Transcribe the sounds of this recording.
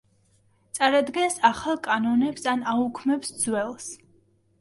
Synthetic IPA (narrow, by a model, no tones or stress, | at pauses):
t̪sʼaɾad̪ɡɛnsaχalˠkʼanɔnɛpsanaukʰmɛpsd̪zwɛlˠs